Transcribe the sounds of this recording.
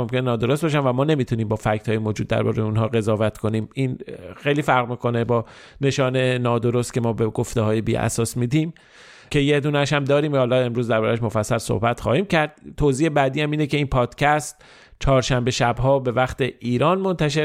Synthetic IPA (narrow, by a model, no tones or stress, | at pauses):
omkʰʲe̞nenɒːd̪o̞ɾost̪̚bɒʃ̬ænvæmɒːne̞miːt̪ʰuniːmbɒːfæct̪hɒːjemoːd͡ʒuːd̪ːæ̰ɾbɒ̰ːɾejunɦɒːɣe̞zɒːvæt̪ko̞niːmiːnxejliːfæɾʁmiːkʰo̞ne̞bɒː | ne̞ʃɒːnenɒːd̪o̞ɾo̞st̪̚cʰe̞mɒːbeɡo̞ft̪ehɒːjebḭːʔæ̰sɒːsmiːd̪iːm | cʰe̞jed̪uːnæʃhæmd̪ɒːɾiːmhɒːlɒe̞mɾuːzd̪æɾbɒːɾæʃ̬mo̞fæsːælso̰hbæt̪χɒ̰ːhiːmcʰæɾd̪̥̚t̪ʰoziːebæːd̪iːhæmiːnece̞iːnpʰɒːd̪̥cʰæst̪ | t͡ʃʰɒːɾʃæmbe̞ʃæbɦɒːbe̞væχt̪e̞iːɾɒːnmo̞nt̪ʰæʃ̬eɾ